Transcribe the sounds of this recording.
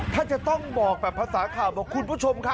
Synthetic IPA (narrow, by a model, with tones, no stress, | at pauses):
t̪ʰaː˥˩t͡ɕa˨˩t̪ɔ˥˩ŋbɔː˨˩k̚bɛː˨˩pʰːa˧saː˩˦kʰaː˨˩wbɔː˧˩kʰu˧npʰuː˦˥˩t͡ɕʰo˧mkʰa˦˥